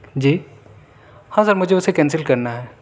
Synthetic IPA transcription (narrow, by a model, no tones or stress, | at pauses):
d͡ʒiː | hãːsəɾmʊd͡ʒʱeʊsekɛ̃ːns̬ɪlkɐɾnaɦɛː